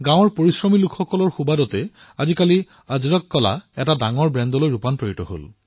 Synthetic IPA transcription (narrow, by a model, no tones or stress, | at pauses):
ɡãw̃ɔɹpoɹisɹɔmilukʰxɔkɔlɔɹxubadɔtɛ | azikali | azɹɔkːɔla̰ɛtadaŋɔɹbɹɛndɔlojɹupanpɹoitɔɦo̰l